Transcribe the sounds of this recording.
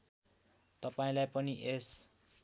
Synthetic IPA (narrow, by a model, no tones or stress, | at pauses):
t̪ʌpaĩlajpʌniʔes